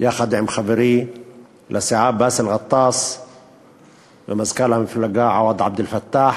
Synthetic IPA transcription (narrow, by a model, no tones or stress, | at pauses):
jaxad̪ʕɪmxabɾi | lʔasɪʕaːbːaːsɪlɣɑt̪ˤːɑːsˤ | wɪmazkalamɪnfɪlːaɡaːʕawɑd̪ˤʕab̚d̪ɪlfat̪ːaːħ